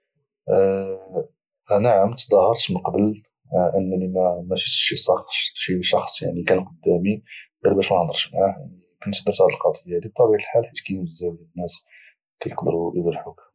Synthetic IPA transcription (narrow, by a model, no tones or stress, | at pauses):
ʔænæʕamt̪d̪ˤɑhəɾt̪mənqbəl | ʔənːnimæmæʃət̪ʃisɑxʃiʃɑxsˤja̰ʕnikænqɑd̪ːæmiɡælbæʃmæhd̪ˤɑɾˤʃmʕaja̰ʕni | kænt̪sd̪əɾt̪ʕləlqɑd̪ˤəjːad̪ib̚t̪ˤːɑbiʕt̪əlħalħit̪kæjnbzælnːæs | kæjəqd̪əɾujəd̪ɾħuk